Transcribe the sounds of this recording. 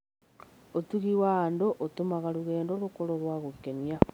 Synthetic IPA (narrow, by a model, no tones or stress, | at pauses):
otuɣiwaːndoʔotomaɣaɾuɣɛːndoɾokoɾoɾwaɣokːenia